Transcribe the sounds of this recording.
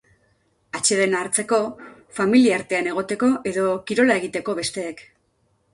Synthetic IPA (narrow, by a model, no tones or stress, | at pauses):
at͡ʃe̞ðe̞naɾt͡se̞ko̞ | familiaaɾt̪e̞ane̞ɣ̞o̞t̪e̞ko̞ʔe̞ðo̞kiɾo̞lae̞ɣ̞it̪e̞ko̞βe̞st̪e̞ːk